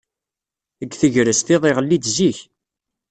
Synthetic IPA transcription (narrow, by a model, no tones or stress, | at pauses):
əɡːθəʝɾəsθɪðˤeʁəlːid̪ziç